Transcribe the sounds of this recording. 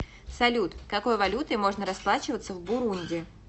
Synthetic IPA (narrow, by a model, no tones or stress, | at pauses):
sɐlʲut̪kɐko̞jvɐlʲut̪ɨmo̞ʐnəɾɐsplˠat͡ɕɪvət̪səvbʊɾunʲdʲɪ